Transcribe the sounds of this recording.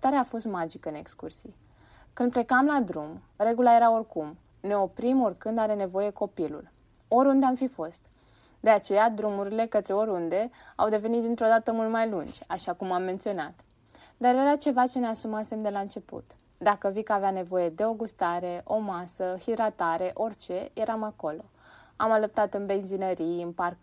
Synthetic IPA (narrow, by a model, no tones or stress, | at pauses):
t̪aɾeafo̞st̪mad͡ʒikəɨne̞kskṵrsi | kɨnd̪̚ple̞kamlad̪ɾum | re̞ɡulaje̞ɾao̞rkum | ne̞o̞pɾimo̞rkɨnd̪aɾe̞ne̞vo̞je̞ko̞pilṵl | o̞ɾʲund̪eamfifo̞st̪ | d̪e̞at͡ʃe̞jad̪ɾumuɾile̞kət̪ɾe̞o̞ɾʲund̪e̞a̰wd̪e̞ve̞nit̪̚d̪int̪ɾo̞d̪at̪əmult̪majlund͡ʒʲaʃakumamːe̞nt̪sio̞nat̪ | d̪aɾje̞ɾat͡ʃe̞vat͡ʃe̞ne̞asumase̞md̪e̞laɨnt͡ʃe̞pṵt̪ | d̪akəvikəaveane̞vo̞je̞d̪e̞o̞ɡust̪aɾe̞ʔo̞masəhid̪ɾat̪aɾe̞ʔo̞rʲt͡ʃe̞je̞ɾamako̞lo̞ | amaləp̚t̪at̪ɨnbe̞nzinəɾiɨnpark